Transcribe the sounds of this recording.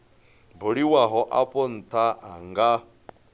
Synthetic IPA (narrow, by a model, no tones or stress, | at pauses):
boɺiwaɦɔʔapʼɔn̩t̪ʰaaŋɡa